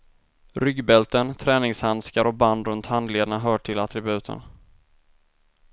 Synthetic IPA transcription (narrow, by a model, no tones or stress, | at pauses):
ɾʏɡbɛlt̪ənt̪ʰɾɛːnɪŋshanskaɾɔk̚band̪ɾɵnt̪hand̪leːd̪aɳaɦœːʈʰɪlat̪ɾɪbʉ̟ːt̪ʰə̰n